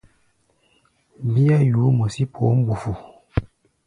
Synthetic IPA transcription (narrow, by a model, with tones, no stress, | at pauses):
bi˦a˦ju˨˦mo˨si˦pʰo˨˦m̩˦bu˨fu˨